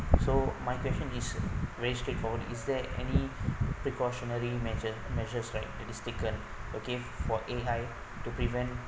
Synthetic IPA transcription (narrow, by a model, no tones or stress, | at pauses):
somajkwɛst͡ʃə̃nisvɛɹistɹetfɔdḭsdɛɛ̰nipɹikɔʃɔnəɹimɛd͡ʒəmɛʒəsɹaɪt̚dɛtistekə̃n | ʔoke | fɔʔeaj | tupɹivɛ̃nt